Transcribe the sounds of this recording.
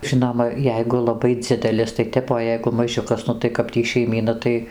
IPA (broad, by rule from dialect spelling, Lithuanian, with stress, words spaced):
ˈʒʲɪnoːmɐ ˈjɛɪɡʊ lˠɐˈbɐɪ ˈd͡zʲɪdʲɛlʲɪs tɐɪ ˈtʲɛp oː ˈjɛɪɡʊ mɐˈʒʲʊkɐs ˈnʊ tɐɪ kɐp ˈtʲiː ʃʲɛɪˈmʲiːnɐ tɐɪ